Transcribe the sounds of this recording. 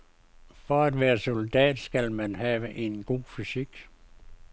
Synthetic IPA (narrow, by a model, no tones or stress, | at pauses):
fɒæd̥ʋæːɐsold̥ɛ̰ːd̥sɡ̥ælmænɦɛːʋəʔe̝nɡ̥o̝̰ːfysiɡ̥